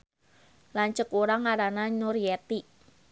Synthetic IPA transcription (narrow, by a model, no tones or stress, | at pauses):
laɲt͡ʃəkuɾaŋaɾananʊrjɛt̪i